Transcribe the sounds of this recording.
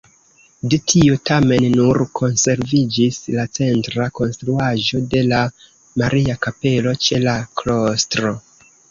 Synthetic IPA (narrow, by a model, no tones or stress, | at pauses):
detʰiotame̞nːuɾkʰo̞nse̞ɾvid͡ʒislat͡se̞ntɾako̞nstɾuaʒo̞de̞la | maɾʔiakape̞lo̞t͡ʃe̞laklo̞stɾo̞